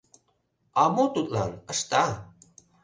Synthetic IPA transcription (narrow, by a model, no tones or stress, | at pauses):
amot̪ut̪̚ʼla̰nəst̪a